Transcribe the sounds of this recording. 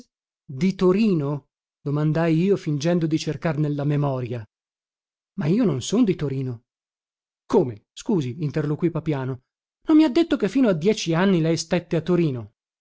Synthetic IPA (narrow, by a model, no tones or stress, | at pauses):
d̪it̪oɾiːno | d̪̥omand̪ajiːofind͡ʒɛnd̪od̪it͡ʃerkarnelːamemɔːɾja | maiːononsond̪it̪oɾiːno | koːmeskuːziːnt̪erlokwipapjaːno | nomːiad̪ːet̪ːokefːiːnoad̪ːjɛːt͡ʃianːilɛjst̪ɛt̪ːeat̪ːoɾiːno